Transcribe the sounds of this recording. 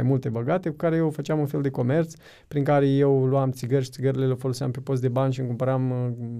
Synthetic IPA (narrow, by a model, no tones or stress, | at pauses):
ajmult̪e̞bəɡat̪e̞kukaɾe̞jewfət͡ʃɪamunfe̞ld̪e̞ko̞me̞rt̪s | pɾiŋkaɾe̞je̞wluamt̪siɡərʲʃit̪siɡəɾile̞lafolosea̰mpepo̞s̬t̪d̪e̞banʲʃiɨŋkumpəɾam